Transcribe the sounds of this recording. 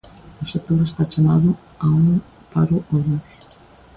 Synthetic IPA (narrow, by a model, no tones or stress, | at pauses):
oset̪oɾest̪at͡ʃamaðʊ | auŋ | paɾʊʔoða